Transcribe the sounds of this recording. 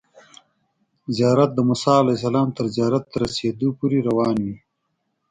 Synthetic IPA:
zijɑːɾat̪̚d̪əmʊsɑalajs̬ɐlɑːmt̪əɾzijɑːɾat̪̚ːəɾɐsed̪opuɾeɾawɑːnwi

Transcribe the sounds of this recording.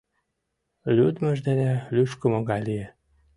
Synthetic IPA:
lød̪møʒd̪ɛnʲɛlyʃkømɒɡaliɛ

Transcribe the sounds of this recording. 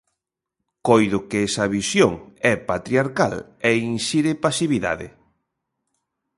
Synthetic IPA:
kojðʊkɪɛsɐβisjoŋɛpat̪ɾiaɾkalɛinʃiɾɪpasiβiða̰ðɪ̰

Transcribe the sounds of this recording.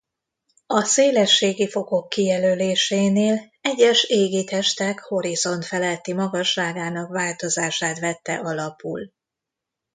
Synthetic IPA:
ɒseːlɛʃːeːɡifo̞ko̞kːijɛløːleːʃeːneːl | ɛɟːɛʃeːɡit̪ɛʃt̪ɛkho̞ɾizo̞nt̪fɛlɛt̪ːimɒɡɒʃːaːɡaːnɒkʋaːlt̪o̞zaːʃaːt̪ʋɛt̪ːɛ̰ʔɒlɒpṵl

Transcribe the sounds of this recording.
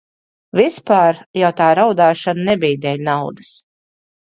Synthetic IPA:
vispaːɾjawt̪aːɾawd̪aːʃananɛbijd̪ɛlʲnawd̪ɨs

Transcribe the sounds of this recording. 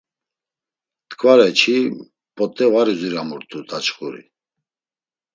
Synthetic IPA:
t̪kʰʼvaɾɛt͡ʃʰi | pʼɔt̪ʼɛvaɾizuɾamuɾt̪ʼud̪ʰat͡ʃχuɾḭ

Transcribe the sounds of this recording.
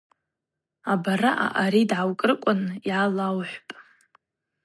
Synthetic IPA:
abaɾaʔa̰ʔaɾidʕawkʼrɨkʷʼʊnjʕalawħʷpʼ

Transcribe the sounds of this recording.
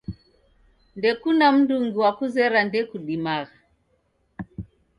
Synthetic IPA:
ndɛkunam̩duŋɡuwakuzɛɾandɛkuɗimaɣa

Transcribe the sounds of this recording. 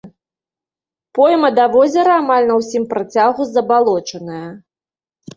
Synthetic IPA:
pɔjmɐd̪avɔzʲɐɾɐamalʲnɐwsʲimpɾɐt͡sʲaɣuzɐbalˠɔt͡ʂɐnɐjɐ

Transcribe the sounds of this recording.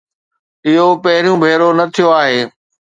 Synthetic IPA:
ɪɦopɐɦɪɾijũbʱeːɾonɐt̪ʰijoaːɦeː

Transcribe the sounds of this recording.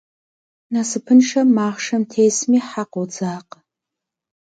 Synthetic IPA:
nasɨpʰɨnʂɐmaːʁʂɐmtʰejsmiħaqowd͡zaːq

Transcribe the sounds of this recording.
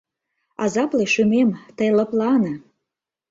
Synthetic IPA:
ɑzɑpleʃymemt̪əjlə̆plɑnɤ̆

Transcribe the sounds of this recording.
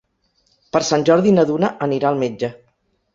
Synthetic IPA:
pəɾsanʲʒɔɾðinəðunəʔəniɾaəlˠmed͡ʒə

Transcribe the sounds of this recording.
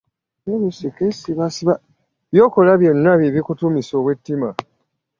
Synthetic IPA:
eβusikesiβasiβa | βjo̞ːko̞laβjo̞nːaβiβikutumiso̞ːβwe̞tːima

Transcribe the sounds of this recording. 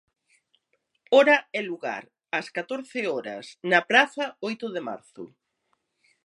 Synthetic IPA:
ɔɾɐɛluɣa̰ɾ | ɐskat̪oɾθɪɔɾɐ̰snɐpɾaθɐojt̪ʊðema̰ɾθʊ̰

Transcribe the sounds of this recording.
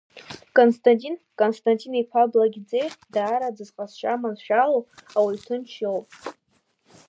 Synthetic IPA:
kʼonstʰʼantʲʼinkʼonstʰʼantʲʼinaekʷʰablaɡʲd͡zejdaːɾad͡zɨzqʼasʃʷʼamanʃᶣaloawaɥtʰɨnt͡ʃʰowpʼ

